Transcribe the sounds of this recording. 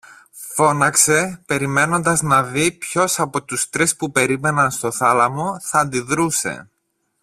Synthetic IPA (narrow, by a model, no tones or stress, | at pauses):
fo̞nɐkse̞pe̞ɾime̞no̞nd̪ɐznɐðipço̞sɐpo̞t̪ust̪ɾispupe̞ɾime̞nɐnst̪o̞θɐlɐmo̞θɐnd̪iðɾuse̞̰